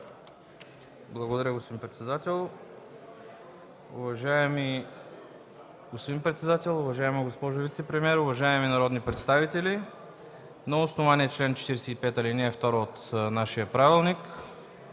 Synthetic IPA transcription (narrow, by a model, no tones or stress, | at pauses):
blˠɐɡod̪ɐɾʲəɡospod̪impɾɛt̪sɛd̪at̪ɛlˠ | ʊvɐʒaɛmi | ɡospod̪inpɾɛt̪sɛd̪at̪ɛlˠʊvɐʒaɛməɡospɔʒovit̪sɛpɾɛmiɛɾʊvɐʒaɛmɛminɐɾɔd̪nipɾɛt̪st̪avit̪ɛli | noosnovaniɛt͡ʃlɛnt͡ʃɛ̥t̪iɾɛsɛipɛt̪əliniəft̪ɔɾoot̪naʃijəpɾavilˠnik